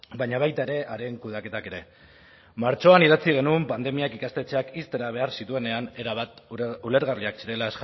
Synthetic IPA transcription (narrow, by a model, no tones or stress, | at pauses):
baɲaβajt̪aeɾe̞ʔaɾe̞ŋkuð̞ake̞t̪ake̞ɾe̞ | maɾt͡ʃo̞aniðat͡siɣ̞e̞numpand̪e̞miakikast̪e̞t͡se̞akist̪e̞ɾaβe̞aɾsit̪ue̞ne̞ane̞ɾaβat̪ule̞ɾɣariaksiɾe̞laes